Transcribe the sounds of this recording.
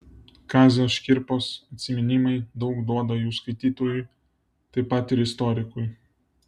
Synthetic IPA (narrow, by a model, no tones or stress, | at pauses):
kɑːzʲoːʃʲkʲɪɾpoːsɐt̪ʲsʲɪmʲɪnʲɪmɐɪd̪ɒʊkd̪uɔd̪ɐjuːskɐɪt̪ʲiːt̪oːjʊ | t̪ɐɪpɐt̪ɪɾɪst̪ɔɾʲɪkʊɪ